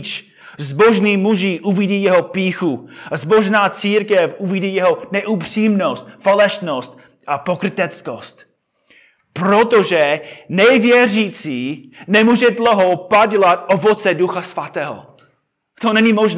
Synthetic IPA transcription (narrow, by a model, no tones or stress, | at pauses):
t͡ʃ | zboʒniːmuʒiːʔuviɟiːjɛɦopiːxuzboʒnaːt͡siːɾkɛfʔuviɟiːjɛɦonɛʔupr̥iːmnost̪falɛʃnost̪ | ʔapokɾɪt̪ɛt͡skost̪ | pɾot̪oʒɛnɛvjɛrit͡siːnɛmuːʒɛdloɦowpaɟlat̪ʔovot͡sɛduxasvat̪ɛːɦo̰ | t̪onɛɲimoʒn